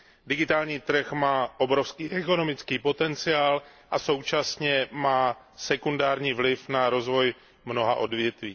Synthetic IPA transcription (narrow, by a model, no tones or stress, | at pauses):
dɪɡɪt̪aːlɲiːt̪r̩xmaːʔo̞bɾofskiːʔɛko̞no̞mɪt͡skiːpo̞t̪ɛnt͡sɪaːl | ʔaso̞wt͡ʃasɲɛmaː | sɛkundaːɾɲiːvlɪfnaɾo̞zvo̞j | mno̞ɦaʔo̞dvjɛt̪viː